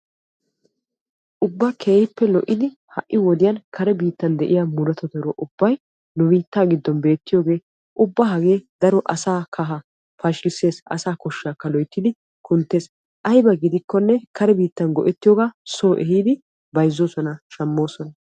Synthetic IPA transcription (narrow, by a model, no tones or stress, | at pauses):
ʔʊbːaːkʰeːjɪpːɛlɔʔːɪd̪ɪ | hɐʔːɪwɔd̪ɪjɐnkʰɐɾɛbiːt̪ːɐnd̪ɛʔɪjaːmʊɾɐt̪ɔt̪ɔɾɔʔʊb̥ːɐj | nʊbiːt̪ːaːɡɪd̪ːɔnbe̞ːt̪ːɪjo̞ːɡe̞ː | ʔʊbːɐɦɐɡe̞ːd̪ɐɾɔʔɐsaːkʰɐɦɐ | pɐʃɪsːe̞ːsɐ̰saːkɔʃːaːkːɐlɔjt̪ːɪd̪ɪ | kʊnt̪ːe̞ːs | ʔɐjbɐɡɪd̪ɪkːɔnːɛkɐɾɛbiːt̪ːɐnɡɔʔɛt̪ːɪjoːɡaːso̞ːʔɛɦiːd̪ɪ | bɐjzːoːsɔnɐʃɐmːo̞ːsɔnɐ